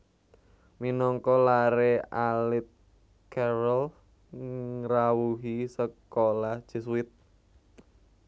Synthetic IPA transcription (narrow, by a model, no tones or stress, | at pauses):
minɔŋkɔlaɾealɪt̪̚ | kɛɾəl | rawuɦisəkolahd̥ʒ̥ə̤swɪt̪̚